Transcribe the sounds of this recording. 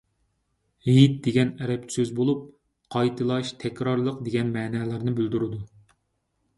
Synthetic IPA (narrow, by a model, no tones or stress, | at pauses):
ɦit̪̚d̪eɡʲɛnɛɾɛpsøzbolˠup̚ | qʰɑjt̪ʰɨlˠɑʃt̪ʰɛkʲɾɑɾlˠəqd̪eɡʲɛnmɛːnɛːlæɾnɨbyld̪uɾɨd̪u